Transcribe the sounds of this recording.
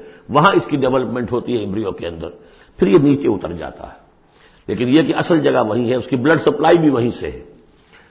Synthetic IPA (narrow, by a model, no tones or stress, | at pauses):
ʋɐɦãɪskiɖeʋɛləpmẽːɳʈɦoːt̪iɦɛɪ̃mbɾijokeɐ̃nd̪əɾ | pʰɪɾjeniːt͡ʃeʊt̪ə̰ɾd͡ʒa̰ːt̪a̰ɦɛ | leːkɪnjekiɐsəld͡ʒɐɡaʋɐɦĩɦɛʊskiblɐɖsɐplaːibʱiʋɐɦĩsḛ